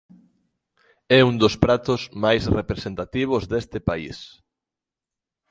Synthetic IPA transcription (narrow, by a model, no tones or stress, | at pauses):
ɛund̪ospɾat̪ʊsmajsrepɾesẽnt̪at̪iβ̞ozðest̪ɪpaḭs